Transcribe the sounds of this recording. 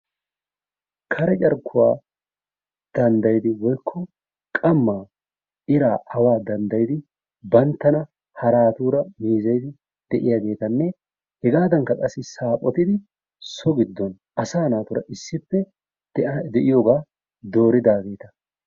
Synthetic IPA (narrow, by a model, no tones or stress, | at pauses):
kʰɐɾɛt͡ʃʼɐɾkʰːʊwa̰ː | d̪̥ɐnd̪ɐjd̪ɪwɔjkʰːɔ | kʼɐmːaː | ɪɾaːʔɐwaːd̪ɐnd̪ɐjɪd̪ɪ | bɐnt̪ːɐnɐ | hɐɾaːt̪uːɾɐmeːzɐjd̪ɪ | d̪̥ɛʔɪjaːɡe̞ːt̪ɐnːɛ | hɛɡaːd̪ɐŋkːɐkʼɐsːɪsaːpʼɔt̪ɪd̪ɪ | sɔɡɪd̪ːɔn | ʔɐsaːnaːt̪ʊɾɐ̰ʔɪsːɪpːɛ | d̪ɛʔɪjoːɡaː | d̪o̞ːɾɪd̪aːɡe̞ːt̪ɐ̥